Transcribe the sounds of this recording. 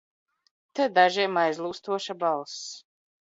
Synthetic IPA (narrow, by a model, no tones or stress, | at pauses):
t̪ɛd̪aʒiɛmajzlˠuːst̪uɔʃabalˠs